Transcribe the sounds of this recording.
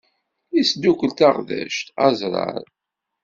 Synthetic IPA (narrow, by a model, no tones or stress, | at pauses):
isd̪ukəlt̪aʁðæ̰ʃt̪æzɾˤɑ̰ɾˤ